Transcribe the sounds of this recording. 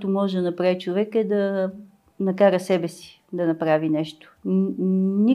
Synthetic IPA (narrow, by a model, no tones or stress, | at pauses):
t̪omɔʒɛd̪ɐnɐpɾavit͡ʃovɛkɛd̪ɐ | nɐkaɾəsɛbɛsi̥ | d̪ɐnɐpɾavinɛʃt̪o̥ | ni